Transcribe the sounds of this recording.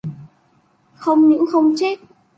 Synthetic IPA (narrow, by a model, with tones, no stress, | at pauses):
xə˧wŋ͡mɲɨ̰˧˥xə˧wŋ͡mt͡ɕe˦˥t̚